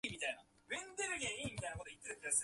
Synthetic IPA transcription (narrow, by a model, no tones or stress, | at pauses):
mʲit̪aina | mẽnd̪eɾɯɡʲeimʲit̪ajnako̞t̪oi̥t̪ːeɾɯ̃neas